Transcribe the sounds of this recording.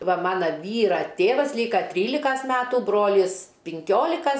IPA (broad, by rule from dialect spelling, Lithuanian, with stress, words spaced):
ˈʋɐ ˈmɑːnɐ ˈʋʲiːrɐ ˈtʲeːʋɐs ˈlʲiːkɐ ˈtʲrʲiːlʲɪkɐs ˈmʲæːtuː ˈbroːlʲɪs pʲɪŋʲˈkʲoːlʲɪkɐs